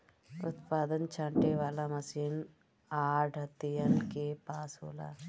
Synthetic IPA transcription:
ut̪̚paːd̪ɐnt͡ʃɐɳʈeːʋalɐmɐsiːn | aːɖʱɐt̪ːijɐnkeːpaːsṵːla̰

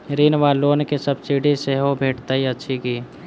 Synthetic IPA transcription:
ɾiːnʋaloːnkesəb̚t͡ʃiɽeseɦobʱeːʈt̪aɦiətːʃʰikiː

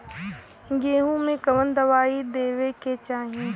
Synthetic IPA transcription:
ɡeːɦũmẽkɐʋə̃nd̪ɐʋaːid̪eːʋeket͡ʃaːɦiẽ

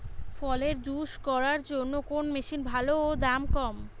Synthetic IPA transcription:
fɔleɾd͡ʑuʃkɔɾaɾd͡ʑonːokonmeʃinbʱalood̪amkɔm

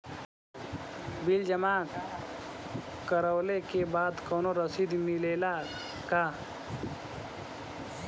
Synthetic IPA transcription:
bild͡ʒəmaːk | kəɾəːlekebaːd̪kɔːnoɾəsiːd̪mileːla | kaː

